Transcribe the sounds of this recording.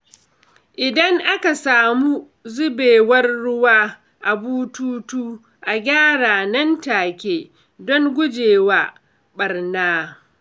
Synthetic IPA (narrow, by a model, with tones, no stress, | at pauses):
ʔɪ˨dɐ˦ŋʔa˦ka˨saː˨muː˦ | zʊ˦beː˨wɐ˦rːʊ˦waː˦ | ʔa˨buː˦tuː˦tuː˦ | ʔa˨ɡʲaː˦ɽaː˨nɐ˦ntaː˨kʲeː˦ | dɔ˦ŋɡʷʊ˦d͡ʒeː˨waː˦ | ɓɐ˨rnaː˦